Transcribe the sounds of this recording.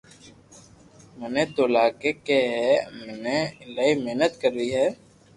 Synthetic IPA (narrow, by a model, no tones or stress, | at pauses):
mɛneːt̪oːlaːkeːkeɦɛːməneːlaːiːmeɦnət̪kəɾːiːɦɛː